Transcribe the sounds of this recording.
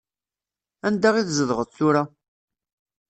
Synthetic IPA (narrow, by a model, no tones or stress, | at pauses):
ænd̪aʁiθzəðʁətˤθʊɾa